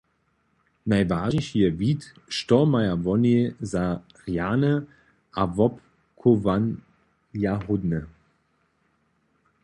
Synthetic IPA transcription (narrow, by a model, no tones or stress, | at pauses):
naɪvaaʒɪçhiːɐviːt | ʃtɔmajavɔneza | ʁjaːnə | ʔavɔp | kʰovan | jaɦʊdnə